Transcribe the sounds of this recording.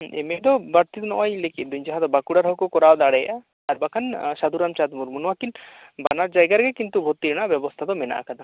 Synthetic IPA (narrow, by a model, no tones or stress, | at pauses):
emed̪ɔbaɾt̪id̪nɔʔajlekit̪̚ˀd̪uɲd͡ʒaɦad̪ɔbakuɽaɾɦɔkɔkɔɾawd̪aɽɛjʔa | aɾbakʰansad̪uɾamt͡ʃad̪muɾmunwakil | banaɾd͡ʒajɡaɾɡɛkint̪ubʱot̪ːiɾnaʔbɛbɔst̪ʰad̪ɔmɛna̰ʔa̰kad̪a